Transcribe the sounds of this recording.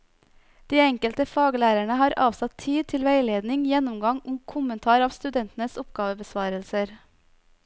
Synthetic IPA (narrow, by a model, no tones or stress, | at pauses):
d̪̥iːɛŋkəlt̪əfɑːɡəlæːɾæɳəhɑːɾʔɑːʋsɑt̪ʰiːd̪̚t̪ʰɪlʋæɪleːd̪nɪŋjɛnʊmɡɑŋʊŋkʰʊmənt̪ʰɑːɾɑːʋst̪ʉd̪ɛnt̪n̩əsʊpɡ̥ɑːʋəbəsʋɑːɾəlsəɾ